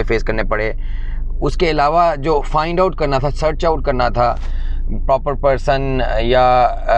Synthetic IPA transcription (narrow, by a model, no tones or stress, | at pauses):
efeːskɐɾnepɐɽeː | ʊskeɪlaːʋad͡ʒoːfãːɪ̃ɳɖaʊʈ̚kɐɾnat̪ʰasəɾt͡ʃaʊʈ̚kɐɾnat̪ʰa | pɾɔːpəɾpəɾsənja